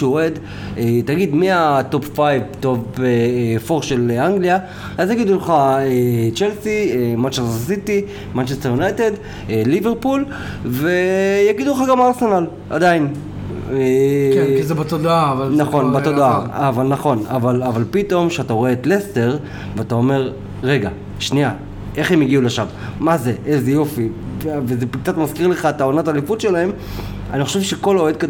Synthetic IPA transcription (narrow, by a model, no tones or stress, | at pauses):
ʃoed̪ | et̪aɡid̪miat̪o̞pfajvt̪ovefoʁʃeleaŋɡlia | azjaɡid̪uleχaet͡ʃelsiemant͡ʃessit̪i | mant͡ʃest̪ejunajt̪e̞d̪ | eliveʁpul | vejaɡid̪ulχaɡamaʁse̞nal | ʔa̰d̪ain | eizebat̪od̪aavalnaχo̞nbat̪od̪aavalnaχo̞navalavalpit̪o̞mʃeataʁoe̞ːt̪le̞ste̞ʁ | veatao̞me̞ʁ | ʁe̞ɡa | ʃnia | e̞χemjiɡiuleʃav | mazeʔezejo̞fivezek̚t͡sat̪maskiʁleχaet̪aonatalifutʃelae̞m | anioʃevʃeko̞loed̪̚kad